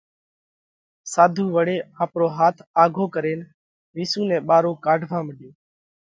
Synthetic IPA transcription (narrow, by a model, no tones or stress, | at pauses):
saːd̪ʱuːʋəɽeːãːpɾoːɦaːt̪ʰaːɡʱoːkəɾeːn | ʋiːsũːnɛ̃ːɓaːɾoːkaːɖʱʋãːməɗeː